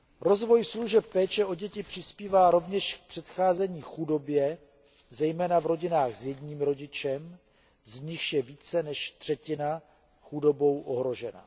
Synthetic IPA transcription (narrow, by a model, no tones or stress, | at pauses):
ɾo̞zvo̞jsluʒɛp̚ːɛːt͡ʃɛʔo̞ɟɛcɪpr̝̥ɪspiːvaːɾo̞vɲɛʃk̚pr̝̥ɛt̪xaːzɛɲiːxudo̞bjɛ | zɛjmɛːnavɾo̞ɟɪnaːxzjɛdɲiːmɾo̞ɟɪt͡ʃɛm | zɲɪxjɛviːt͡sɛnɛʃt̪r̥ɛcɪna | xudo̞bo̞wʔo̞ɦɾo̞ʒɛna̰